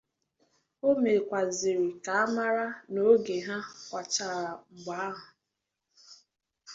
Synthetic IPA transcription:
o˦me˨kʷa˨zɪ˨ɾi˨ka˨a˦ma˦ɾa˦no˨˦ɡe˨ɦa˦kʷa˨t͡ʃa˨ɾa˨ŋ͡m̩˨ɡ͡ba˨a˦ɦʊ˨

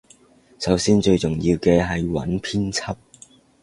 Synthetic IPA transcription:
sɐ˨˥wsiː˥nt͡ʃɵ˧ɥt͡sʊ˨˩ŋji˧wkɛː˧ɦɐ˨jwɐ̰˨˥npʰiː˥nt͡sʰɐ˥p̚

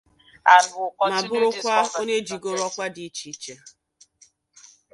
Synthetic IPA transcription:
a˨˦ma˨bʊ˦ɾʊ˦kʷa˦o˦ɲe˦d͡ʒi˨ɡo˦ɾɔ˦kʷa˦di˨˦t͡ʃi˨˦t͡ʃe˨

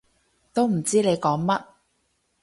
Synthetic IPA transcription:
t̪o˥wm̩˨˩t͡siː˥le˨˧jkɔː˨˥ŋmɐ˥t̚

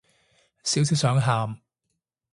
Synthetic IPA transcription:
siː˨˥wsi˨˥wsœː˨˥ŋɦaː˧m

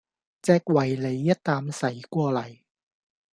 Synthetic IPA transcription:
t͡sɛː˧k̚wɐ˨˩jle˨˧jːɐ˥t̚t̪aː˧msɐ˨˥jkʷɔː˧lɐ˨˩j

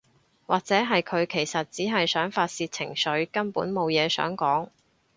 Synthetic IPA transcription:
waː˨k̚t͡sɛː˨˥ɦɐ˨jkʰɵ˨˧ɥkʰe˨˩jsɐ˨t̚t͡siː˨˥ɦɐ˨jsœː˨˥ŋfaː˧t̚siː˧t̚t͡sʰɪ̰˨˩ŋsɵ˨˥ɥkɐ˥npuː˨˥nmo˨wjɛː˨˧sœ̰ː˨˥ŋkɔː˨˥ŋ

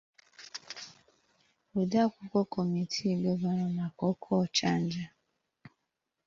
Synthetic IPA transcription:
u˨da˦kʷu˦kʷɔ˦ko˨mi˨tʰi˦˨ɡ͡be˦ba˦ɾɔ˦ma˨kɔ˦kʰɔ˦˨t͡ʃa˦n̩˦d͡ʒa˦

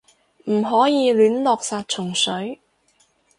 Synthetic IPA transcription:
m̩˨˩ɦɔː˨˥jiː˧lyː˨˥nlɔː˨˧k̚saː˧t̚t͡ʃʰʊ˨˩ŋsɵ˨˥ɥ

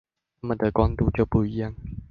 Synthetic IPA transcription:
a˥˩nmə˨˩d̪ə˨kwa˥˦ŋt̪u˥˦t͡ɕjo˥˧ʊpu˥˧˩i˧˦ja˥˨ŋ

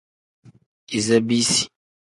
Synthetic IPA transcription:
i˨zə˦bi˦si̥˨

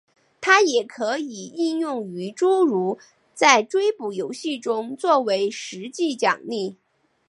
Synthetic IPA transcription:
t̪ʰa˥jɛ˨˩kʰɤ˧˥i˨˩i˥˧njʊ˥˩ŋy˧˥ʈ͡ʂu˥ɻu˧˥ | t͡sa˥˩ɪʈ͡ʂwe˥ɪpu˨˩jo˧˥ʊɕi˥˩ʈ͡ʂʊ˥ŋt͡swɔ˥˩we˧˥ɪʂɻ̩˧˥t͡ɕi˥˩t͡ɕjɑ̰˨˩ŋli˥˩

